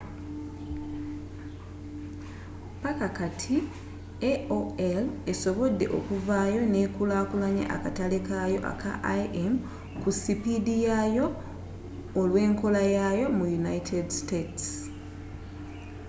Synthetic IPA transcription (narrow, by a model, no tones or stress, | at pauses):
pakakatʰi | eoeleso̞βo̞dːe̞̰ʔo̞̰kuvaːjo̞nekulaːkulaɲa̰ʔa̰katalekajo̞ʔa̰ka̰ʔaʔem | kusipidijajo̞ː | lwe̞ːŋko̞lajajo̞mujunaitʰedstets